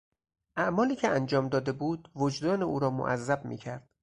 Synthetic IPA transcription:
ʔæʔmɒːliːcʰeænd͡ʒɒːmd̪ɒːd̪e̞buːd̪vod͡ʒd̪ɒːneʔuːɾɒːmo̰ʔæ̰zːæbmḭːcʰæɾd̪̥̚

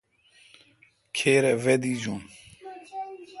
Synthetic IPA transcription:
kʰeːɾɛved̪id͡ʑun

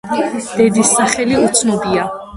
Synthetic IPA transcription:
d̪̥ɛd̪isːaχɛliut̪sʰnɔbia

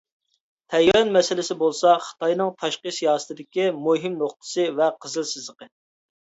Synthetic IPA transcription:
t̪ʰɛjɑnmɛsɪlɪsɪbolˠsɑχə̥t̪ʰɑjnɨŋt̪ʰɑʃqəsijɑːsɨ̥t̪ʰɪd̪ɪkʲimuɦimnoχt̪ʰɨ̥sɨvɛqʰəzɨlˠsɪzləqə

